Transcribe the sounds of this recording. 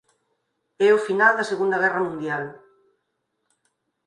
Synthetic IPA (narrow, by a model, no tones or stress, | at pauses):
ɛʊfinald̪ɐseɣund̪ɐɣɛrɐmũnd̪jal